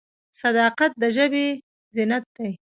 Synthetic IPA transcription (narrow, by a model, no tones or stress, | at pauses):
sad̪ɑqat̪̚d̪əʒəbe | zɪnat̪̚d̪aj